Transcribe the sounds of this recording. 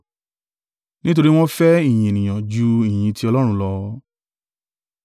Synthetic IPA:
nĩ˦t̬o˧ɾi˦w̃ɔ̃˦fɛ˦i˦˨j̃ĩ˨e˨nĩ˨j̃ã˨d͡ʒu˧i˨jĩ˧ti˧˦ɔ˧lɔ˦ɾ̃ũ˧˦lɔ˧

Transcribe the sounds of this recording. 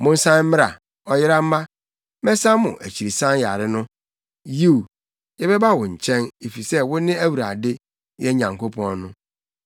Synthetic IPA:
mʊ̃˦n̩˦sã˦m̩˦mɪ̃˦ɾa̰˨ | ɔ˦jɪ˦ɾa˦m̩˦ma˦ | mɛ˦sã˦mʊ̰̃˨ʔæ˨t͡ɕʰi˨ɾi˨sã˦n˦ja˨ɾɪ˦nʊ̃˦ | ji˦˨ | jɛ˦bɛ˦ba˦˨wʊ̃˨ɲ̩˨t͡ɕʰɛ̃˦ne˨fi˨sɛ˦wʊ˦nɪ̃˦æ˦wu˨ɾa˨dɪ˦ | jɛ˦ɲã˨ŋko˦pʰɔ̃˦nnʊ̃˦

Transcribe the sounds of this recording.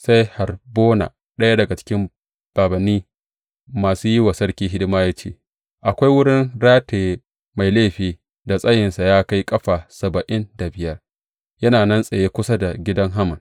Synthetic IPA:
sa˦jha˨rboː˦na̰ː˨ | ɗɐ˦ja˦dɐ˨ɡa˨t͡ʃɪ̥˦kʲɪ˦m | b̥aː˨bɐ˨nːiː˦ | maː˨suː˦ji˦wa˨sɐ˦ɽkʲiː˦ɦɪ˦dɪ˦maː˦jaː˦t͡ʃḛ˦ | ʔa˨kʷa˦jwʊ˦ɽɪ˦nɽaː˦teː˨ | ma˨jleː˦ɸiː˨ | da˨sʼɐ˦jɪ˨nsa˨jaː˦ka˦jkʼɐ˦ɸaː˨sɐ˨bɐ˨ʔɪ˦nda˨bɪ˨jɐ˦r | jɐ˦naː˨nɐ˦nsʼɐ˨jeː˦kʷʊ˦sa˦da˨ɡʲɪ˦dɐ˦ŋɦa˦mɐ˨n

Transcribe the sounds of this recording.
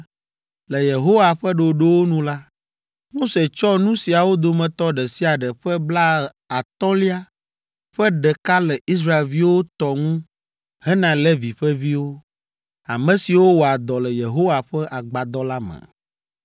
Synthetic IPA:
lɛ˨je˨ɦo˦wa˨ɸɛ˦ɖe˨ɖe˦wo˦nũ˦la˦ | mo˦se˨t͡ʃɔ˦nũ˦si˨a˨wo˦d̪o˨mɛ̃˨t̪ɔ˦ɖɛ˨si˦a˨ɖɛ˨ɸɛ˦bla˦ | a˨t̪ɔ̃˦li˦a˦ | ɸɛ˦ɖɛ˨ka˦lɛ˨i˦s̬ɾa˦e˨lvi˦wo˦t̪ɔ˦ŋũ˦ | ɦɛ˦nã˨lɛ˦vi˨ɸɛ˦vi˦wo˦ | a˨mɛ̃˨si˨wo˦wo˨a˨d̪ɔ˨lɛ˨je˨ɦo˦wa˨ɸɛ˦ʔa˨ɡ͡ba˨d̪ɔ˦la˦mɛ̰̃˨

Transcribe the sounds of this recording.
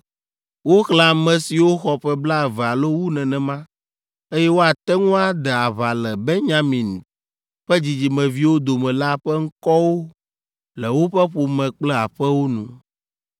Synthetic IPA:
wo˦xla˨mɛ̃˨si˨wo˦xɔ˨ɸɛ˦bla˦ɛ˨vɛ˨a˨lo˦wu˦nɛ̃˨nɛ̃˨mã˦ | e˦jɛ˦wo˦a˨t̪ɛ˦ŋũ˦a˨d̪ɛ˨a˨βa˨lɛ˨bɛ˦ɲã˨mĩ˨n˨ | ɸɛ˦d͡ʑi˨d͡ʑi˨mɛ̃˨vi˦wo˦d̪o˨mɛ̃˨la˦ɸɛ˦ŋ̩˦kɔ˦wo˦ | lɛ˨wo˦ɸɛ˦ɸo˨mɛ̃˨k͡plɛ˦a˨ɸɛ˦wo˦nṵ̃˨

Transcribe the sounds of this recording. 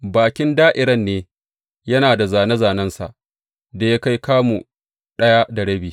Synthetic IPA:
baː˨kʲɪ˦ndaː˦ʔɪ˨ɾɐ˦nːeː˦ | jɐ˦naː˨da˨zaː˨nɐ˦zaː˨nɐ˦nsa̰˨ʔ | da˨ja˦ka˦jkaː˦mu˨ | ɗɐ˦ja˦da˨ɽɐ˦biː˨

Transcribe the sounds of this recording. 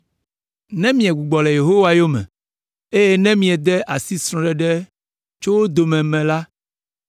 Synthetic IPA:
nɛ̃˦mĩ˨ɛ˨ɡ͡bu˨ɡ͡bɔ˨lɛ˨je˨ɦo˦wa˨jo˦mɛ̰̃˨ | e˦je˦nɛ̃˦mĩ˨ɛ˨d̪ɛ˦ʔa˨si˦sɾ̃ɔ̃˨ɖɛ˦ɖɛ˦ | t͡ʃo˦wo˦d̪o˨mɛ̃˨mɛ̃˨la˦

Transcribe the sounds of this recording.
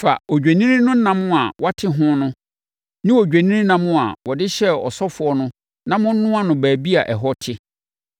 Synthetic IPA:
fa̰˨o˨d͡ʑᶣa˨nĩ˦ɾĩ˦nʊ̃˦n̩˦nã˨mʊ̃˦a˨wa˦tʰɪ˦ɦʊ̃˦nʊ̃˦ | nɪ̃˦wo˨d͡ʑᶣa˨nĩ˦nĩ˦nã˨mʊ̃˦a̰˨wɔ˨dɪ˦ɕɛ˦ɔ̰˨sɔ˦fʊ˨ɔ˦nʊ̃˦ | nã˦mʊ̃˦n̩˦nʊ̃˦a˦nʊ̃˨bæː˨bi˦a˨ʔɛ˨ɦɔ˦tʰɪ˦

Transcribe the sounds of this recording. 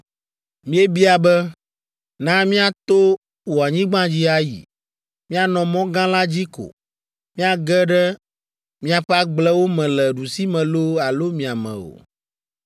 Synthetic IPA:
mĩ˦e˦bi˦a˨bɛ˦ | nã˦mĩ˦a˨t̪o˦ | wo˨a˨ɲĩ˦ɡ͡bã˦d͡ʑi˦a˦jḭ˨ | mĩ˦a˨nɔ̃˨mɔ̃˦ɡã˦la˦d͡ʑi˦ko̰˨ | mĩ˦a˨ɡɛ˦ɖɛ˦ | mĩ˦a˨ɸɛ˦a˦ɡ͡blɛ˦wo˦mɛ̃˨lɛ˨ɖu˨si˦mɛ̃˨lo˦a˨lo˦mĩ˨a˨mɛ̰̃˨o̰˨

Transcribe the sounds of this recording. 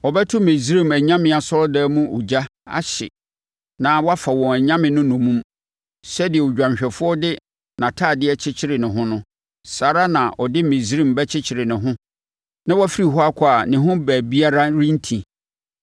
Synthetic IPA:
ɔ˨bɛ˦tʰʊ˦mẽ˨zɾĩ˦˨mæ˨ɲã˦mɪ̃˨a˨sɔ˦lɔ˦dɛː˦mũ˦ṵ˨d͡ʑa˦a̰˨ɕɪ̰˨ | nã˨˦wɔ˦a˦fa˨wɔ̃˨æ˨ɲã˦mɪ̃˨nʊ̃˦nʊ̃˨mũ˦m | sɛ˦dɪ˨ɛ˨u˨d͡ʑᶣã˨m˨ɕᶣɛ˨fʊ˦ɔ˦dɪ˦ | nã˨tʰaː˦˨dɪ˦ɛ˦t͡ɕʰɪ˦t͡ɕʰɪ˦ɾɪ˨nʊ̃˨ɦʊ̃˦nʊ̃˦ | saː˨ɾa˦nã˨ʔɔ˨dɪ˦mẽ˨sɾĩ˦˨mbɛ˦t͡ɕʰɪ˦t͡ɕʰɪ˨ɾɪ˨nɪ̃˨ɦʊ̃˦ | nã˦wɔ˦fi˦ɾi˨ɦɔ˦a˦kʷʰɔ˦a˨nɪ̃˨ɦʊ̃˦bæː˨bi˦a˦ɾa˦ɾĩ˦n̩˦tʰĩ˨

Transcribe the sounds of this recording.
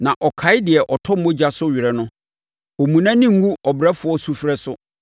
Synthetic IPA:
nã˨ʔɔ˨kʰa˨ɪ˦dɪ˨ɛ˨ʔɔ˨tʰɔ˦m̩˦mɔ̃˦d͡ʑa˦sʊ˦ɥɪ˨ɾɛ˨nʊ̃˦ | o˨mũ˨nã˦nɪ̃˦ŋ̩˦ɡu˦ɔ˨bɾɛ˦fʊ˨ɔ˦su˦fɾɛ˦sʊ˦

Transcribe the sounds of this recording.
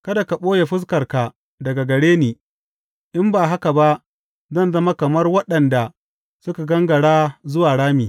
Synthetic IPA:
kɐ˦da˨ka˨ɓoː˦je˨ɸɪ˦s̬kɐ˨rka˨ | dɐ˨ɡa˨ɡɐ˨ɽeː˦neː˨ | ʔɪ˦mbaː˨ɦa˦ka˨ba˦ʔ | zɐ˦˨nzɐ˦ma˦kɐ˨mɐ˦rwɐ˦ɗɐ˨nda˨ | sʊ˦ka˨ɡɐ˦ŋɡɐ˨ɽaː˦zʊ˦waː˨ɽaː˦miː˨

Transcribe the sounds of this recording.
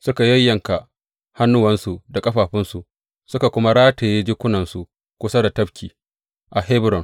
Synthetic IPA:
sʊ˦ka˨jɐ˦jːɐ˨ŋka˨ʔ | ha˦nːʊ˦wɐ˦nsu˨da˨kʼɐ˦ɸaː˨ɸɪ˦nsu˨ | sʊ˦ka˨kʷʊ˦ma˦ɽaː˦teː˨je˦d͡ʒɪ˦kʷʊ˦nɐ˨nsu˨ | kʷʊ˦sa˦da˨tɐ˦ɸkʲʰiː˨ | ʔa˨ɦe˦bɾɔ˨n

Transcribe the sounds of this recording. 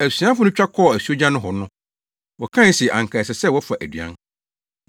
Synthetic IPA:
æ˨si˨˦ã˦fʊ˦nʊ̃˦t͡ɕᶣa˦kʰɔ˦˨æ˨su˦o˦d͡ʑã˦nʊ̃˦ɦɔ˨nʊ̃˦ | wɔ˨kʰã˦n˨˦si˨ɛ˨ʔã˨ŋ˨kʰa˨sɛ˨sɛ˦˨wɔ˦fa˨ʔæ˨dɥã̰˦n

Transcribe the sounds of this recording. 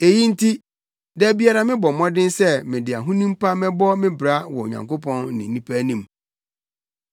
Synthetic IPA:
e˨ji˦n̩˦tʰi˦ | dɛ˦˨bi˦a˦ɾa˦mɪ̃˦bɔ˨mɔ̃˦dɪ̃˦nsɛ˦mɪ̃˨dɪ˨a˨ɦũ˦nũ˦m˦pa˦mɛ̃˦bɔ˦mɪ̃˦bɾa˦wɔ˨o˨ɲã̰˨ŋko˦pʰɔ̃˦nːɪ̃˨˦nĩ˦pʰæ˦nĩ˦m

